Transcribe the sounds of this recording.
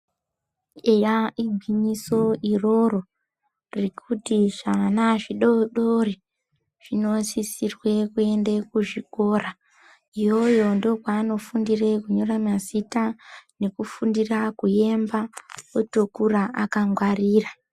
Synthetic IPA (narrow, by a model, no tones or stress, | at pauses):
ejaiɡʱwiɲiso̞iro̞ro | rikʰutiʐanaʐiɗoɗori | ʐ̥ino̞sisirwe̞kue̞ndekuʐiko̞ːra | ijo̞jo̞ndo̞kwaːno̞fundirekuɲo̞ramazitane̞kufundirakuje̞mbaotokuɾaʔakaŋɡwariːra